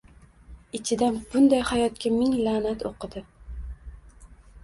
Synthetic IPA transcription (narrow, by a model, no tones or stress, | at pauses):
ɪt͡ʃʰɪd̪anb̥ʊnd̪ajhajɒt̪̚kʲamɪŋlanat̪ʰoqʰɨd̪ɪ